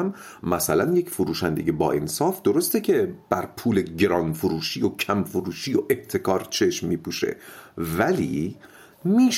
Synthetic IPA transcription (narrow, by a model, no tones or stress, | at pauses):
m | mæsælænjecfoɾuːʃænd̪e̞ɟebɒ̰ːensɒːfd̪̥oɾost̪ecʰe̞b̥æɾpʰuːleɟeɾɒːnfoɾuːʃiːjocʰæmfoɾuːʃiːjoʔeb̥t̪ʰe̞kʰɒːɾt͡ʃʰe̞ʃmːiːpʰuːʃe̞̰vælḭː | miːʃ